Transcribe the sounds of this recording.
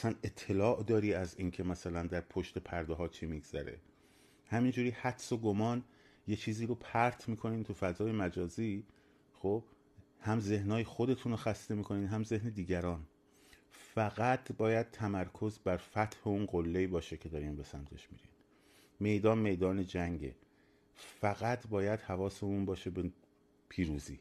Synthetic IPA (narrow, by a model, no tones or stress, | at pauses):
æsæne̞t̪ʰːe̞lɒːʔd̪ɒːɾiːæziːncʰe̞mæsælænd̪æɾpʰo̞ʃt̪e̞pʰæɾd̪eɦɒːt͡ʃʰiːmiɡz̥æ̰ɾḛ | hæmiːnd͡ʒuːɾiːhæt̪so̞ɡomɒːn | je̞t͡ʃʰiːziːɾopʰæɾt̪ʰmiːkʰo̞niːnt̪ʰufæzɒːje̞mæd͡ʒɒːziː | xob | hæmze̞hnɒːjexo̞d̪e̞t̪ʰunoxæst̪e̞miːkʰo̞niːnɦæmze̞hne̞d̪iːɟæɾɒːn | fæɣæt̪ʰbɒːjæd̪̥̚t̪ʰæmæɾkʰo̞zbæɾfæt̪ʰheunɢolːe̞iːbɒːʃecʰe̞d̪ɒːɾiːmbe̞sæmt̪ʰeʃmḭɾḭn | me̞jd̪ɒːnme̞jd̪ɒːne̞d͡ʒæŋɟḛ | fæɣæt̪ʰbɒːjæd̪̥hævɒːse̞unbɒːʃebe | pʰiːɾuːzḭː